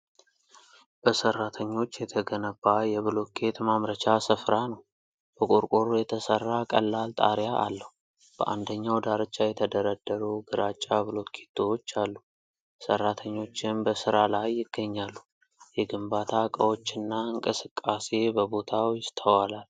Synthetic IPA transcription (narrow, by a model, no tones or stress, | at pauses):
b̥əsərːat̪ʰəɲːo̞t͡ʃːjɛt̪ʰəɡənəbːajɛβɨlo̞t̪̚kʰe̞t̪mamɾət͡ʃasɨfɾanəw | b̥əkʼuɾkʼoɾujɛt̪ʰəsərːakʼə̰lːalt̪ʼa̰ɾjaʔa̰lːəhu | b̥əʔa̰nd̪əɲːawd̪aɾɨt͡ʃʼːajɛt̪ʰəd̪əɾəd̪ːəɾuɡɨɾat͡ʃʼːaβɨlo̞t̪kʰe̥t̪ʰːot͡ʃːalːu | sə̰rːat̪ʰəɲːo̞t͡ʃːɪnbəsɨɾalajːɪɡ̥ːəɲːalːu | jɛɡɨmbat̪ʰakʼəwot͡ʃːɪnːaɨŋkʼɨsɨkʼːase̞bəbo̞t̪ʰawjɪst̪ʰəwalal